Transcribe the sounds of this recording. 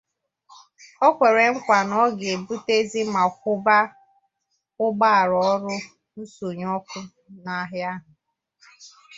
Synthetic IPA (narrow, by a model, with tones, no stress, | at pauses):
ɔ˦kʷe˨ɾe˨ŋ̩˦kʷa˨nɔ˦ɡe˨bu˦te˦zi˦ma˨kʊ˦ba˦ | ʊ˦ɡ͡ba˦a˨ɾɔ˦ɾʊ˦ | n̩˦so˨ɲ˦ɔ˦kʊ˦ | na˦ɦɪ˦a˦ɦʊ˨